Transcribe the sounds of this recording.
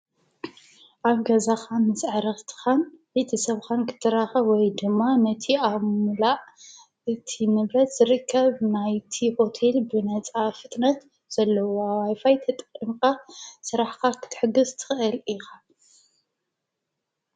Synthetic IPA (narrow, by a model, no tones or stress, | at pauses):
ʔaβɡɐzaxanɨsʕaɾɐxt̪ʰɨ̥xanbet̪ʰɐsɐβxankʰɨ̥t̪ʰɐɾaxɐwɔjd̪ɨmːanɐt̪ʰiaβmɨlaʕ | ɨt̪ʰinɨβɾɐt̪z̥ɨɾɨkʰːɐβnajt̪ʰiho̞t̪ʰe̞lbɨnɐt͡sʼafɨt̪ʼnɐt̪ | z̥ɐlːɐwoawajfajt̪ʰɐt̪ʼkʼɨmkʼasɨɾaħkʰakʰɨ̥t̪ʰɨ̥ħɨɡɨzt̪ʰɨ̥xʔɨlɪxa